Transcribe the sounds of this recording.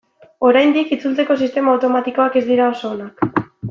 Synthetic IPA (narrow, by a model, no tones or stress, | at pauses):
o̞ɾajnd̪ikit͡sult͡se̞ko̞sist̪e̞maːwt̪o̞mat̪iko̞ake̞zd̪iɾao̞so̞ːnak